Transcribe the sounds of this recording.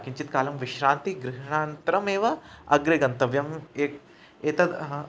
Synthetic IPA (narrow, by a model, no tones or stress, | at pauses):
kiɲt͡ʃit̪kaːlɐmʋiʃɾaːnt̪iɡɾiɦɳaːnt̪ɐɾɐmeːʋɐɐɡɾeɡɐnt̪ɐʋjɐmeː | eːt̪ɐd̪